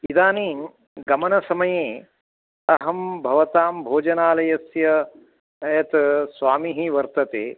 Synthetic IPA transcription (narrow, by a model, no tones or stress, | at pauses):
id̪aːniːŋ | ɡɐmɐnɐsɐmɐjẽː | ɐɦɐmbʱɐʋɐt̪aːmbʱoːd͡ʒɐnaːlɐjɐsjɐ | jɐt̪sʋaːmiɦiʋɐɾt̪ɐt̪ḛː